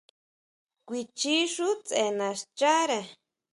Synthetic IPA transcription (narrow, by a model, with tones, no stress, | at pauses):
kʷi˧t͡ʃi˦ʂu˦t͡se˧˨nã˨ʂt͡ʃa˦ɾe˧˨